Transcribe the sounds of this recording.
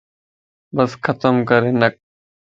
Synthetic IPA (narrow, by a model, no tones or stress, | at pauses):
bəskʰət̪əmkəɾeːnək̚